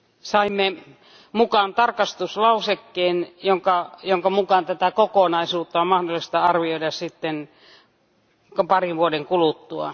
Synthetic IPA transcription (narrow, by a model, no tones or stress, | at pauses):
sɑimːe | mukɑnt̪ɑrkɑst̪uslɑusekːeːnjoŋkɑjoŋkɑmukɑˑnt̪æt̪ækokonɑisuːt̪ːɑommɑhdolːˑist̪ɑɑrʋioiɾɑssit̪ːen | kpɑriʋʋuodeŋkulut̪ːuɑ̰